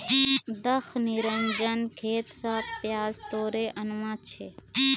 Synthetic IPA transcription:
d̪ɐxniɾɐnd͡ʒɐnkʰeːt̪saːfpjaːzt̪oːɾeːʔɐnʋãːt͡ʃʰeː

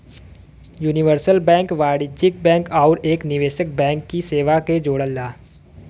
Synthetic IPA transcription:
juːnɪʋəɾsəlbɛ̃ːŋkʋaːɽɪd͡ʒɪk̚bɛ̃ːŋkaːɾeːknɪʋeːʃɪk̚bɛ̃ːŋkːiseːʋaked͡ʒoːɽəlːaː

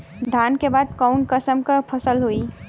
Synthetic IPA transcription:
d̪ʱaːnkebaːd̪̚kaʊnkəsəmkəpʰɐsəlɦuiː

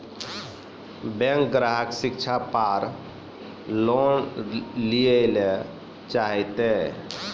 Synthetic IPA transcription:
bɛ̃ŋk̚ɡɾaɦəksikt͡ʃʰapaɾ | lonliele | t͡ʃaɦɛt̪e

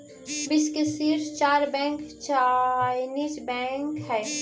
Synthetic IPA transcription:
bɪskəsiːɾt͡ʃaːɾbɛ̃ːŋkt͡ʃanit͡ʃbɛ̃ːŋkɦɛː

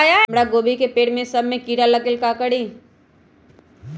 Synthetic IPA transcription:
jamɽaɡoːbikepeːɽmẽsɐbʱmẽkiːɾalɐkɪlkaːkəɽĩ

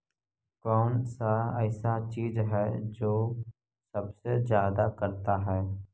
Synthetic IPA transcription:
kɔːnsaɛːsat͡ʃiːzɦɛd͡ʒoː | səbsezjaːd̪akəɾt̪aɦɛː

